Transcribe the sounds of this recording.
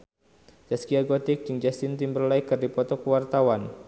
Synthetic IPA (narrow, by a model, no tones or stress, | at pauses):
d͡ʒaskiaɡɔt̪ɪk̚d͡ʒɨŋd͡ʒast̪ɪnt̪imbərlaikːɨrdipɔt̪ɔkəwart̪awan